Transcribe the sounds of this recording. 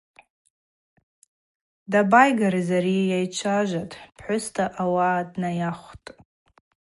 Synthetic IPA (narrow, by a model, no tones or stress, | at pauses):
dabajɡaɾazaɾijajt͡ʃʷʰaʒʷatʼpʰħʷʊstʰaʔawadnajaχʷtʼ